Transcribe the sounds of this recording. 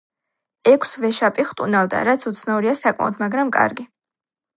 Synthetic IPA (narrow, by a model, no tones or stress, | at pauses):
ɛkʷʰsvɛʃapʼiχt̪ʼunald̪a̰ɾat̪sʰut̪sʰnauɾiasakʼma̰ɔt̪ʰmaɡɾamkʼa̰ɾɡi